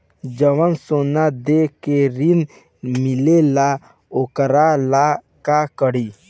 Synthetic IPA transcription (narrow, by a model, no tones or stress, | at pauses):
d͡ʒəwənsonad̪ekeɾin | mɪlela | okəɾala | kakəɽiː